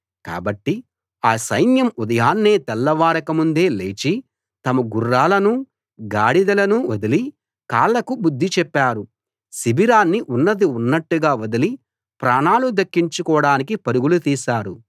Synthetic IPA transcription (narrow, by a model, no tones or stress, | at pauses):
ka̰ːbɐʈːi | aːsɐjnjɐmud̪ɐjaːnːeːt̪ɛlːɐʋaːɾɐkɐmund̪e̞ːle̞ːt͡ʃi | t̪ɐmɐɡurːaːlɐnu | ɡaːɽid̪ɐlɐnuɐd̪ɐli | kaːlːɐkubud̪ʱːit͡ʃɛpːaːɾu | sibiɾaːnːiʔunːɐd̪iunːɐʈːuɡaːʋɐd̪ɐli | pɾaːnaːlud̪ɐkːiɲt͡ʃukɔːɽaːnikipɐɾuɡulut̪iːsaːɾu